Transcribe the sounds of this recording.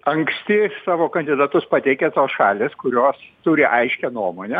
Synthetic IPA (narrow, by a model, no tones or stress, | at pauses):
ɐŋksʲt̪ʲɪsɑːʋoːkɐnʲd̪ʲɪd̪ɑt̪ʊspɐt̪ʲɛɪkʲet̪oːsʃɑːlʲeːskʊɾʲoːst̪ʊɾʲɪʔɐɪʃʲkʲɛnuɔmoːnʲɛ